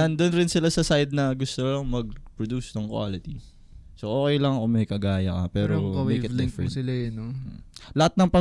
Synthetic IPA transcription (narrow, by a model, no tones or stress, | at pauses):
ɐnd̪onɾɪnsɪlasɐsajd̪̚nɐɡʊst̪olɐŋmɐɡ̚pɹod̪uːsnɐŋkwa̰ːlɪt̪i | soʔoːkɛjlɐŋʔomɛjkɐɡaːjɐkɐpɛːɾoɐmwjkɛvlɪ̃ŋfsɪlajʊnolɐhat̪̚nɐŋpɐ